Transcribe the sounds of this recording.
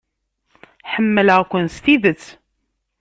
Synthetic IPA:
ħəmːələʁkʷːənst̪iðət͡sː

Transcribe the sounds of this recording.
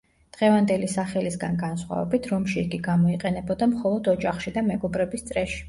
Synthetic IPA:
d̪̥ʁɛvand̪ɛlisaχɛlisɡanɡansχwa̰vɛ̰bit̪ʰɾɔmʃiːɡiɡamɔiqʼɛnɛbɔd̪amχɔlˠɔd̪ɔd͡ʒaχʃid̪amɛɡɔbɾɛbist̪sʼɾɛʃi̥

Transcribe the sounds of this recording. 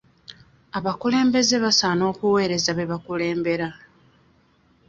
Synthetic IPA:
aβakule̞ːmbe̞ze̞βasano̞ːkuwe̞ːɾe̞zaβe̞βakule̞ːmbe̞ɾa

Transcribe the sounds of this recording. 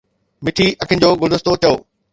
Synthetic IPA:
mɪʈʰiɐkʰɪənɪ̆d͡ʑoːɡʊld̪ʊst̪ot͡ɕɐoː

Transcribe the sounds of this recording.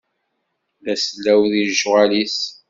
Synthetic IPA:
læslːæwðiʒwalis

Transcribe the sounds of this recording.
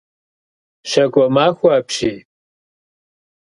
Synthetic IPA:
ʃɐkʷʼɔmaːxʷaːpɕiː

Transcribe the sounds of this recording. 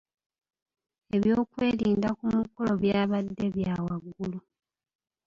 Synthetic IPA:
e̞βjo̞ːkwe̞ːliːndakumukolo̞βjaːβadːe̞βjaːwaɡːulu

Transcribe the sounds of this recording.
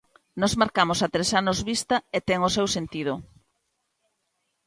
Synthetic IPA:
nɔzmaɾkamosat̪ɾesanozβist̪ɐet̪ɛŋosewsent̪ið̞o

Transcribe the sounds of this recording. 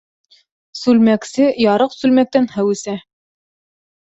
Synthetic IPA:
sʉlmæksɘjɑɾɤqsʉlmæk̚t̪ænhæwɘ̆sæ

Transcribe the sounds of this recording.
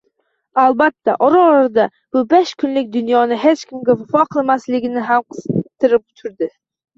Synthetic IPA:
alˠbat̪ːaʔɒɾɑɒɾad̪a | b̥ʊbeʃkʲʰʊnlɪk̚ʲd̪ʊnjɒnɪɦet͡ʃkʲʰɪmɡʲavafɒqʰɨlˠmaslɪɡʲɪnɪɦamqʰɨ̥z̥t̪ʰːɨɾɪp̚t̪ʰʊɾd̪ɪ

